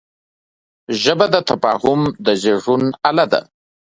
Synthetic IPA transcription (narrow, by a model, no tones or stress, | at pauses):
ʒəbad̪ət̪afɑ̰hʊmd̪əzeʐunalad̪a̰